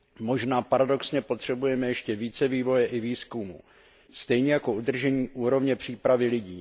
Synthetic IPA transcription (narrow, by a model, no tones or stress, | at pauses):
mo̞ʒnaːpaɾado̞ksɲɛpo̞t̪r̝̥ɛbujɛmɛjɛʃcɛviːt͡sɛviːvo̞jɛʔɪviːskumṵː | st̪ɛjɲɛjako̞ud̪r̩ʒɛɲiːʔuːɾo̞vɲɛpr̝̥iːpɾavɪlɪɟiː